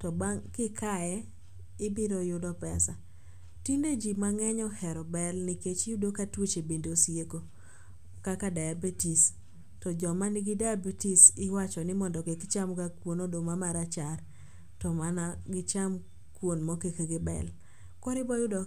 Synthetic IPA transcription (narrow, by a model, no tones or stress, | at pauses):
tɔbaŋkɪkʰajɛ | ɪbɪɾɔjʊdɔpɛsa | tinded͡ʒimaŋɛɲɔhɛɾɔbɛlnɪket͡ʃjʊdokatwet͡ʃebendosijeko | kakadaabetis | tɔd͡ʒɔmanɪɡɪdabitisɪwat͡ʃɔnɪmɔndɔkekt͡ʃamkakwonodomamaɾat͡ʃar | tɔmanaɡɪt͡ʃam | kwonmɔkekeɡɪbɛ̰l | kɔɾɪbɔjʊdɔ